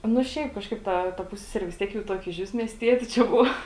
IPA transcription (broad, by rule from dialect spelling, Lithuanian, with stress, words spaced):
nʊ ˈʃʲɛɪp ˈkɑːʃkɐɪp ˈtɐ tɐ ˈpʊsʲsʲɛsʲɛrʲɪ ʋʲɪs ˈtʲiɛk jɛʊ ˈtuɔkʲɛ ɪʃʲˈʋʲɪs mʲiɛsʲˈtʲiɛtʲɪ t͡ʃʲɛ ˈbʊʋɐ